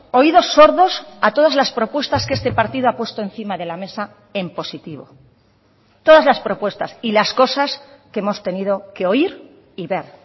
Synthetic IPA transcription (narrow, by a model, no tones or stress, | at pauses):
o̞iðo̞sːo̞ɾðo̞sat̪o̞ð̞azlaspɾo̞pwe̞st̪askeest̪e̞paɾt̪iðoapwe̞st̪oe̞n̟θimaðe̞lame̞sa | e̞mpo̞sit̪iβo̞̰ | t̪o̞ðazlaspɾo̞pwe̞st̪asilasko̞saskee̞mo̞st̪e̞niðo̞ke̞o̞iɾ | iβe̞ɾ